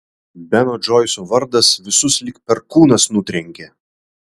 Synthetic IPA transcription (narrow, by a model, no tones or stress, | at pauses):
bʲɛnoːd͡ʒɔːɪsoːʋɐɾd̪ɐsʋʲɪsʊslʲɪkpʲɛɾkuːnɐsnʊt̪ʲɾʲɛŋʲkʲe